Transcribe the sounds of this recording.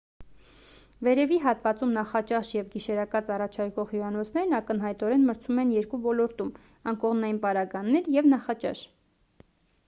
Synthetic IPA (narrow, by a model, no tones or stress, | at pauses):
vɛɾɛviɦɑt̪vɑt͡sumnɑχɑt͡ʃɑʃjɛvɡiʃɛɾɑkɑt͡sɑrɑt͡ʃʰɑɾkɔʁhjuɾɑnɔt͡sʰn̪ɛɾnɑkən̪ɦɑjt̪ɔɾɛnməɾt͡sʰumɛnjɛɾkuvɔlɔɾt̪um | ɑnkɔʁmnɑjinpɑɾɑɡɑnːɛɾjɛvnɑχɑt͡ʃɑ̰ʃ